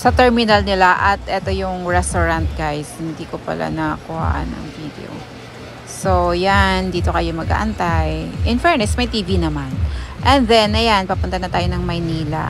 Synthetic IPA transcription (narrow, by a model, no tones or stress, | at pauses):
sɐt̪ɛɹmɪnɐlnɪlaʔɐt̪ʔɛt̪ojʊŋɹɛst̪oɹɐnt̪̚ɡajshɪnd̪iːkopɐ̰lʔa̰nɐkʊha̰ːʔa̰nɐ̰ŋvid̪ḛo̰ | sojand̪iːt̪o̞kɐjomɐɡʔa̰ːʔɐnt̪ajʔɪnfɛɹnɛsmɐjt̪iːvinɐmanʔɛnðɛnɐjanpɐpʊnt̪ɐnɐt̪aːjo̞nɐŋmɐjniːla̰